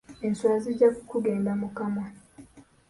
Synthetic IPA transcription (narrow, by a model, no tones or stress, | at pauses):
inswazid͡ʒaku̥kuɡɛndamukama